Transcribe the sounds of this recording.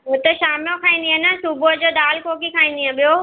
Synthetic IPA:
ɦʊt̪əʃaːmijõkʰaːĩnd̪iẽnəsubod͡ʑoːd̪aːlkoːkikʰaːĩːn̆d̪iẽɓijoː

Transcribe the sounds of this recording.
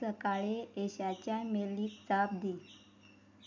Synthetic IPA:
əkaɭeeɕat͡ɕjameliːkt͡sabd̪i

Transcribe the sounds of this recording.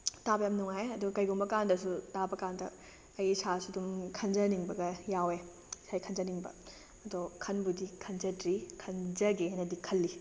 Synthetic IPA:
tabɐjamnuŋajɐduɐkɐjɡumbɐkandɐsutabɐkandɐ̰ | ɐjsasudumkʰɐnd͡ʒɐniŋbɐɡɐjawe | sʰajkʰɐnzɐniŋbɐ̰ | ɐdokʰɐnbudikʰɐnzɐtɾikʰɐnzɐɡiajnɐdikʰɐlːi

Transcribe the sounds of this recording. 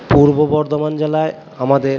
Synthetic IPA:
puɾbobɔɾd̪omand͡ʑelae | amad̪eɾ

